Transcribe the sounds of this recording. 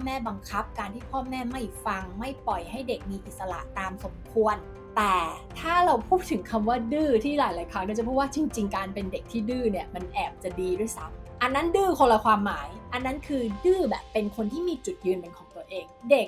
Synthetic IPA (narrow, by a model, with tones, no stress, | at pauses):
pɔː˥˨mɛː˥˩ba˧ŋkʰa˦˥p̚kaː˧nt̪ʰiː˥˩pʰɔː˥˩mɛː˥˩ma˥˩jfa˧ŋma˥˩jpɔ˨˩jɦa˥˩jde˨˩k̚miː˧ʔi˨˩t̪̚sa˧la̰˨˩ʔt̪aː˧mso˩˦mkʰu˧ən | t̪ɛː˨˩t̪ʰaː˥˩ɾa˧wpʰuː˥˩t̪ʰːɯ˩˦ŋkʰa˧mwaː˥˩dɯː˥˩t̪ʰiː˥˩laː˩˦jlaː˨˩˦jkʰa˦˥ŋ̚ɛ˥˩t͡ɕa˨˩pʰuː˥˩t̪̚waː˥˩t͡ɕi˧ŋt͡ɕi˧ŋkaː˧npe˧nde˨˩k̚t̪ʰiː˥˩dɯː˥˩ni˥˩ɐma˧nʔɛː˨˩p̚t͡ɕa˨˩diː˧du˥˩əjsa˨˦˥mʔa˧nːa˦˥ndɯː˥˩kʰo˧la˧kʰwaː˧mːaː˩˦jʔa˧nːa˦˥nkʰɯː˧dɯː˥˩bɛ̰ː˨˩pːe˧nkʰo˧nt̪ʰiː˥˩miː˧t͡ɕu˨˩t̪̚jɯː˧npe˧nkʰɔː˩˦ŋt̪u˧əʔeː˧ŋde˨˩k̚